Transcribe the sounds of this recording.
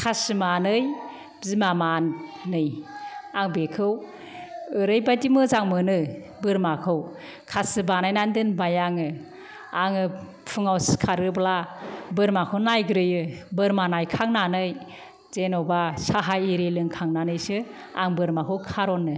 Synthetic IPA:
kʰasɯmanɯj | zimamannɯjaŋbekʰɯw | ɯɾɯjbajdimɯzaŋmɯnɯ | bɯɾmakʰɯw | kʰasɯbanajnandɯnbajaŋɯ | aŋɯ | pʰɯŋawskʰaɾɯblabɯɾmakʰɯwnajɡɯɾɯjɯbɯɾmanajkʰaŋnanɯj | z̥enɔbasaɦajiɾelɯŋkʰaŋnanɯjsɯ | a̰ŋbɯɾmakʰɯwkʰaɾɔnːɯ

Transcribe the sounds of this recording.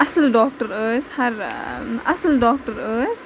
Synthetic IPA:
ɐsəlɖɔːk̚ʈəɾəːshɐɾɐsəlɖɔːk̚ʈəɾəːs

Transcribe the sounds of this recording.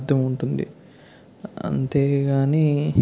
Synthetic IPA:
d̪ʱːɐmuɳʈund̪ḭ | ɐ̰nt̪e̞ːɡaːniː

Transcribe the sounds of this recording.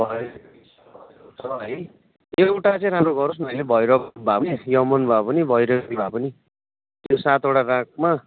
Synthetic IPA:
bʱʌ | t͡sʰʌɦʌj | ewʈat͡sʌĩɾamroɡʌɾus̬mʌjlebʱʌjɾʌkbʱapʌijʌmʌnbʱapʌnibʱʌjɾʌibʱapʌni | t̪jjosat̪eɽarãk̚ma

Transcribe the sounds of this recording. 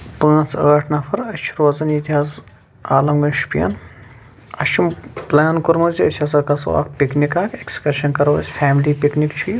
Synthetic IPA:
pɐ̃ːt͡sʰəːʈʰnɐfʰɐɾɐt͡ʃʰiɾoːzɐnit̪iɦaːz | aːlɐmɡɐnʃu̥pijɐ̰n | ɐʃʰumplaːnkuɾmɐziɐsʰʲɐsɐkɐso̰a̰ːkpiknikaːkʰekskɐɾʃɐnkɐɾɐʋɐsʲfʰaːmliːpiknikt͡ʃʰu

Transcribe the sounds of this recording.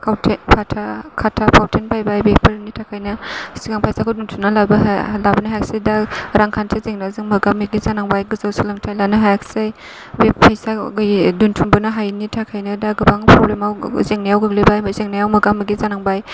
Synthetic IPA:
kʰawtʰepʰatʰakʰatʰapʰawtʰenpʰajbajbepɐɾnitʰakʰajnɐsiɡaŋpʰajsakʰuduntʰuŋnalabɐlabɐnaɦajak̚sajdaɾaŋkʰantʰɯzeŋnazɯŋmɐɡamːɐɡizanaŋbajɡɯzawsilamtʰajlanɯɦajaksaj | bepʰajsaɡɯjduntʰuŋbɐnɐɦajnitʰakʰajnɐdaɡɯbaŋpɾɔblemawzeŋnajawɡɯɡ̚lijbajmzeŋnajawmɐɡamiɡizanaŋbaj

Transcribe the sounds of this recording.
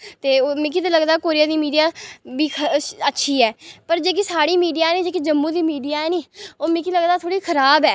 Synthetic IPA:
t̪eːoːmɪkiːt̪eləɡd̪aːkoːɾɪjãːd̪iːmiːɖijaːbiːkʰəətːʃʰiːɛːpəɾd͡ʒeːk̬iːsaːɽiːmiːɖijaːɛːniːd͡ʒeːkiːd͡ʒəmːũːd̪iːmiːɖijaːɛːniːoːmɪkiːləɡd̪aːt̪ʰoːɽiːkʰəɾaːbɛː

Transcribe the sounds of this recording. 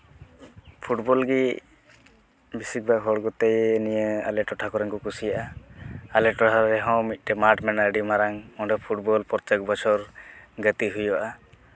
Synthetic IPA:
pʰuʈbɔlɡi | bisik̚baɦɔɽɡɔt̪ɛjːnijəa̰lɛʈɔʈʰakɔɾɛŋkɔkusijaʔaalɛʈɔʈʰaɾɛɦɔ̃mit̪̚ˀʈɛmaɾʈmɛnəɖimaɾaŋɔ̃ɖɔpʰuʈbɔlpɔɾt̪ɛk̚bɔt͡ʃʰɔɾɡət̪iɦujɔʔa

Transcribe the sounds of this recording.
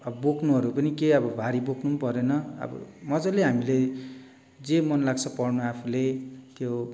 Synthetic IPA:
ʌbʌbokʰnuɦʌɾupʌnikeʌbʌbʱaɾiboknupʌɾenʌʌ̰bʌ̰mʌd͡zʌ̃leɦamile | d͡zemʌnlaɡt͡sʰʌpʌrnuapʰulet̪jo

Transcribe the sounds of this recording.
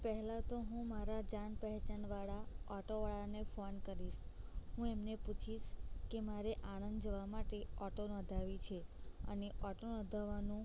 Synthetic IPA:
pəɦɛlat̪oɦũmaɾad͡ʒanpəɦɛt͡ʃanʋaɭaɔʈoʋaɭanefonkəɾiʃɦũemneput͡ʃʰiʃkemaɾeʔañənd̪d͡ʒəʋamaʈeɔʈonɔ̃d̪ʱaʋit͡ʃʰeə̰neʔɔʈonɔd̪ʱaʋanũ

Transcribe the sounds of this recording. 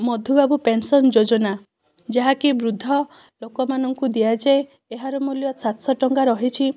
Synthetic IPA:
mɔd̪ʱubabupensɔnd͡ʒod͡ʒɔna | d͡ʒeɦakibɾud̪ʱːɔ | lokɔmanɔŋkud̪ijad͡ʒae | eɦaɾɔmuljɔsat̪sɔʈɔŋɡaɾɔɦit͡ʃʰi

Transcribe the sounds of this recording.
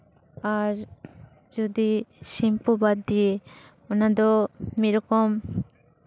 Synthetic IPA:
aɾ | d͡ʒɔd̪isimpɔbad̪ːije | ɔnad̪ɔmiɾɔkɔm

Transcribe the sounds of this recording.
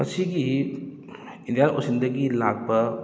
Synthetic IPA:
mɐ̰siɡi | indijanʔo̰sindɐɡilak̚pɐ

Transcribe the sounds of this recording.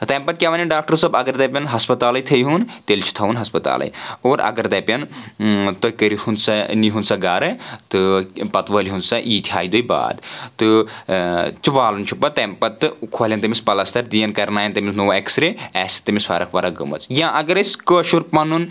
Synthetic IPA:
t̪ɐmpɐt̪̚kʲaʋɐnɐnɖaːk̚ʈɐɾsɐbɐɡɐɾd̪ɐpʲɐnɦɐspɐt̪aːlɐjt̪ʰɐjɦunt̪elt͡ʃʰu̥t̪ʰɐʋunɦɐspɐt̪a̰ːlɐ̰joːɾɐ̰ɡɐɾd̪ɐpʲɐn | t̪okəɾihunsɐniɦunsɐɡaːɾɐt̪ɨpɐt̪ʋəːlʲɦunsɐʔiːt̪ʰʲɦa̰ːjd̪ujba̰ːd̪t̪ɨ | t͡ʃiʋaːlunt͡ʃʰupɐt̪ɐmpɐt̪ːɨkʰolʲɐnt̪ɐmispɐlɐst̪ʰɐɾd̪ijɐnkɐɾnaːjɐnt̪ɐmisnoːeksɾeɛːsi̥t̪ɐmisfɐɾɐkʰʋɐːɾɐɡɨ̰mɐ̰t͡sjãːʔɐɡɐɾɐsʲkəːʃuɾpɐnun

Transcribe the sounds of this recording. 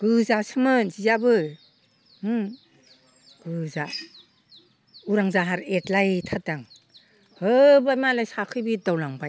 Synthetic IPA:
ɡ̥ɯzasɯmɯnzizabɯ | ɯ | ɡ̥ɯza | uɾaŋzaɦaɾetlajtʰadaŋ | hɯbajmalajsakʰɯjbidawlaŋbaj

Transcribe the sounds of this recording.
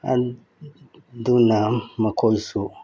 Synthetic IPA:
a̰ | d̪unamakʰolsu

